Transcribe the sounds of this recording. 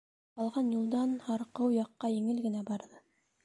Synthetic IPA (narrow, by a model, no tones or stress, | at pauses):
qɑlˠʁɑnjulˠd̪ɑnhɑɾqɤwjɑqːɑjɘ̆ŋɘlɡɘ̆næbɑɾðɤ